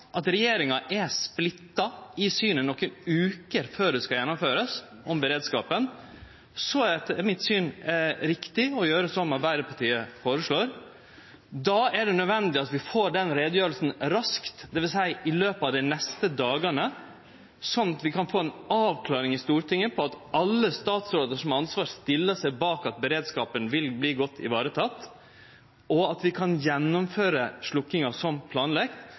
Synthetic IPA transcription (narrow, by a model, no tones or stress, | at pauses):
ʔɑt̪ɾɛjeːɾɪŋɑʔɛsplɪt̪ːɑɪsyːnənɔkːənʉːkəɾføːɖɛskɑjɛnːɔmføːɾəs | ʔɔmbəɾeːd̪skɑ̰ːpən | sɔæɖ̪ɛt̪ːəmɪt̪syːnɾɪkt̪ɪɔjøːɾəsɔmːɑt̪ʋæɪɾəpʰɑʈʰiːəfoːɾəʂɭoːɾ | d̪ɑæɖɛnœd̪ʋɛnd̪ɪɑt̪ʋɪfoːɖɛnɾeːd̪jøːɾəlsn̩ɾɑskt̪d̪ɛʋɪlsæɪʔɪløːpɑʋd̪ɪnɛst̪əd̪ɑːɡənə | sɔnɑt̪ʋɪkʰɑnfoːɛnɑːʋkʰlɑːɾɪŋɪst̪uːɾʈʰɪŋːəpʰɔɑt̪ɑlːəst̪ɑːt̪sɾoːd̪əʂɔmɑnsʋɑːɾst̪ɪlːəʂæɪbɑːkɑt̪̚bəɾeːd̪skɑːpənʋɪlbliːɡɔt̪ʰːɪ̰ʋɑːɾət̪ʰɑt̪ː | ʔɔɑt̪ʋɪkʰɑnjɛnːʊmføːɾəʂɭʊkːɪŋɑsɔmpʰlɑːnlɛɡt̪